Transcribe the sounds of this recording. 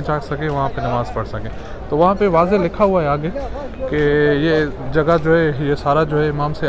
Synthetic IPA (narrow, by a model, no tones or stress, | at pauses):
d͡ʒaːksɐkẽʋɐɦãpenɐʋaːzpɐɽsɐkẽː | t̪oːʋɐɦãpeʋaːzelɪkʰaɦuaɦɛaːɡe | kejed͡ʒɐɡad͡ʒoːɦɛjesaːɾad͡ʒoːɦɛɪmaːmse